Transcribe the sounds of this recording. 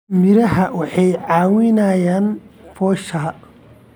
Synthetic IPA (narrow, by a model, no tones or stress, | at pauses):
mɪɾɐɦɐwɑħɑjʕaːwɪnaːjaːnfɔːʃɐ